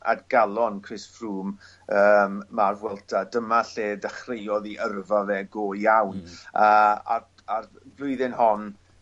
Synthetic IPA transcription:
ʔa̰dɡalˠɔnkʰrɪsfruːm | əːmːarvwɛlˠtʰadəmaɬeːdəχrejɔðiʔərvaðɛɡoːjawnəa̰ | ar | blˠʊɨðɪnhɔn

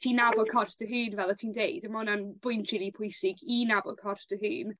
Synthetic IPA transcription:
tʰiːnabɔlˠkʰɔrfdəɦɨːnvɛlˠətʰiːndejdəmɔnanbʊɨntʰrɪlˠipʰʊjsɪɡinabɔlˠkʰɔrθtəɦɨːn

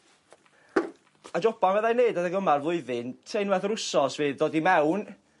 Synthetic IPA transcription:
ad͡ʒɔbanvɛðajneɨdaðəɡəmarvlˠʊɨðɨntʰejnwɛθrʊsɔsviːðdoɔːdimɛwn

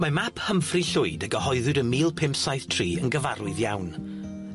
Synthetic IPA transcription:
mamapʰhəmfriɬʊɨdəɡəhɔɨðɨdənmiːlˠpʰɪmpsajθtʰr̥iːənɡəvaɾʊɨðjawn

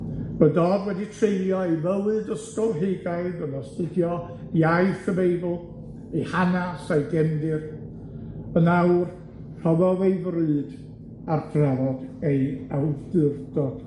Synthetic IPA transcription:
vədɔːdwɛditʰrejljɔejməwɨdəstɔlˠɦeɡaɨðənɔstɨdjɔ | iajθəmejbl̩ˠ | ejhanasajɡɛndɨr | ənawr | r̥ɔðɔðejvrɨːd̥ | arpʰravɔdejawdɨrd̥ɔd̥

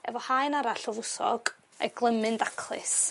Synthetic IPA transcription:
ɛvɔhaɨnaɾaɬɔvʊsɔ̰ɡ̥ | a̰jɡlˠəmɨndakʰlˠɨ̰s

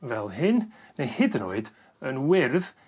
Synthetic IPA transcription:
vɛlˠɦɨnnejhɪdno̰ɨd | ənwɪrð

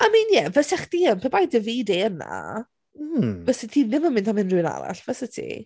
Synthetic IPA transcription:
amiːnjɛvəsɛχd̥iːənpʰebajdəviːdeəna̰ | vəsɛtʰiːnɪməmɪntʰamɪnruɨna̰ɾa̰ɬvəsətʰḭ

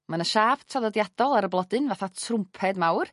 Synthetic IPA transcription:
manəʃaːvtʰraðɔdjadɔlˠaɾəblˠɔdɨnvaθatʰrʊmpʰɛdmawr

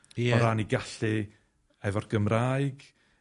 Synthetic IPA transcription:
jɛɔɾaniɡaɬɨ | ɛvɔrɡ̥əmraːjɡ̥

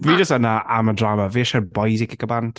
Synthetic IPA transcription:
viːd͡ʒəstənaamədɹaːməvɪːʃəbɔjzɪkəkəbantʰ

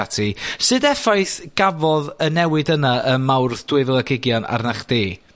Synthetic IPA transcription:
atʰisɨdɛfajθɡ̥avɔðənɛwɨdənaəmawrθd̥wɪvlˠəɡɪɡjɔna̰rnaχd̥eː

